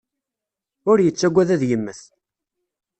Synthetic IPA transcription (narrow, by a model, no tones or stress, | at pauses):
ʊɾjət͡sːæɡʷːæðæðjəmːəθ